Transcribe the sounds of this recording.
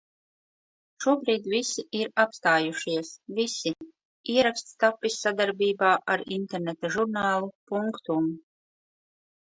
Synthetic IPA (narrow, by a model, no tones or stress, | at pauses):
ʃuɔbɾiːd̪visiiɾapst̪aːjuʃiɛsvisi | iɛɾakst̪st̪apːisːad̪aɾbiːbaːʔaɾint̪eɾnet̪aʒuɾnaːlˠupuŋkt̪um